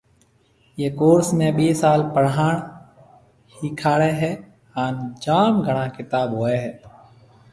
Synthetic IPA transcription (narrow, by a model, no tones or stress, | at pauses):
jeːkoːɾsmẽːɓeːsaːlpəɽɦaːɳ̃ | hiːkʰaːɽeːɦɛː | haːnd͡ʒaːmɡʱəɳãːkɪt̪aːbɦoːeːɦɛː